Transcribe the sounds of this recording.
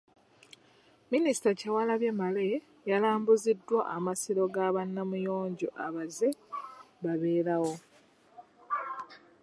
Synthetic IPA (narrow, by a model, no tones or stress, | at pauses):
minisi̥tacawalaβje̞male̞ | jalaːmbuzidːwaʔamasiɾo̞ɡaβanːamujo̞ːɲɟo̰ʔaβaze̞ | βaβe̞ːɾawo̞